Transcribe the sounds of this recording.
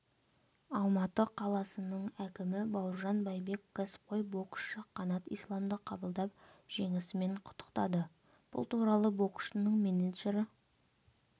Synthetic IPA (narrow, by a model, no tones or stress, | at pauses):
ɑlˠmɑt̪əqʰɑlˠɑsənəɴækʲɪmɪbɑwəɾʒɑnbɑjbe̞kkːɑsɪ̥p̚qo̞jbo̞kʃəqʰɑnɑt̪ijslˠɑmd̪əqʰɑbəlˠd̪ɑp̚ʒ̥e̞ŋɪsɪme̞ɴqʰʊ̥t̪ːə̥qt̪ɑd̪ə | b̥ʊ̰lˠt̪uɾɑlˠəbo̞kʊ̥ʃənəɴminid̪ʒeɾɪ